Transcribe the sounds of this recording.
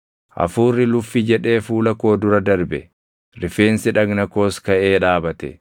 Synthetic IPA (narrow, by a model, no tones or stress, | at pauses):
ʔɐ̰fuːrːɪlʊfːɪd͡ʒɛᶑe̞ːfuːlɐko̞ːd̪ʊɾɐd̪ɐɾbɛ̰ | ɾɪfe̞ːnsɪᶑɐɡnɐko̞ːskɐʔe̞ːᶑaːbɐt̪ɛ